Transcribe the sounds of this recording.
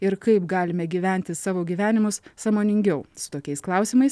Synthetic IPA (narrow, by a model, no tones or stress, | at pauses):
ɪɾkɐɪpɡɑːlʲɪmʲɛɡʲiːʋʲæˑnʲt̪ʲɪsɑːʋoːɡʲiːʋʲæːnʲɪmʊssɑːmoːnʲɪŋʲɡʲɛʊsʊ̥t̪oːkʲɛɪsklˠɐˑʊsʲɪmɐɪs